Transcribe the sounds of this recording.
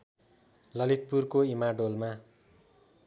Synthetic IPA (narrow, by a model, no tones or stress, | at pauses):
lʌlit̪̚purkoimaɖolma